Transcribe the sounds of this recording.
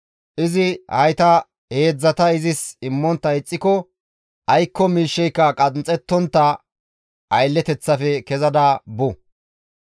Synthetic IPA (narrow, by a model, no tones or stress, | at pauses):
ʔɪzɪhɐ̰jt̪ɐ | he̞ːd͡zːɐt̪ɐɪzɪsɪmːɔnt̪ːɐɪt͡sʼːɪkɔ | ʔɐjkːɔmiːʃːɛjkːɐkʼɐnt͡sʼɛt̪ːɔnt̪ːɐ | ʔɐjlːɛt̪ɛt͡sːɐfɛkɛzɐd̪ɐbʊ